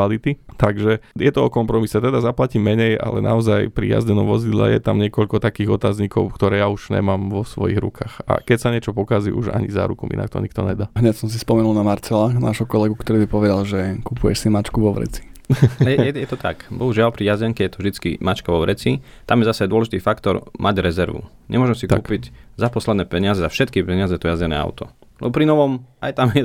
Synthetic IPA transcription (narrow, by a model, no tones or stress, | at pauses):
alit̪it̪aɡʒɛjɛt̪ɔɔkɔmpɾɔmisɛt̪ɛd̪azaplacimɛɲɛja̰lɛ̰nʔa̰ɔzajpɾḭja̰zɟɛnɔmʋɔzid̪la̰jɛ̰t̪amɲɪɛkɔʎkɔt̪akiːɣɔt̪aːzɲikɔʊkt̪ɔɾɛːjauʒ̥ɲɛ̰maːmʋɔsʋɔ̰jḭɣɾṵkaːxa̰kɛcsaɲɛt͡ʃɔpɔkazḭʔṵʒa̰ɲiza̰ːɾukumḭna̰k̚t̪ɔ̰ɲikt̪ɔɲɛd̪aːɦɲɛcsɔms̬ispɔmɛnulnamaɾt͡sɛlaxna̰ːʒɦɔkɔlɛɡukt̪ɔɾiːbipɔʋɛd̪alʒɛkupujɛ̰ʃsimat͡ʃkuʋɔʋɾɛ̰t͡si̥jɛjɛjɛt̪ɔt̪a̰kbɔɦuʒɪalpɾijazɛŋkɛjɛt̪ɔʒd̪it͡skimat͡ʃkaʋɔʋɾɛt͡si | t̪amjɛzasɛad̪ʊɔlɛʒit̪iːfakt̪ɔ̰ɾmʔaɟɾɛzɛɾʋṵ | ɲɛ̰mʊɔʒɛmsiktuːkpiɟzapɔslɛd̪nɛːpɛɲɪazɛzafʃɛt̪kipɛɲɪazɛjt̪ɔjazɛnɛ̰ːa̰ʊt̪ɔ̰ | lʔɛ̰bɔpɾinɔʋɔmajt̪amjɛ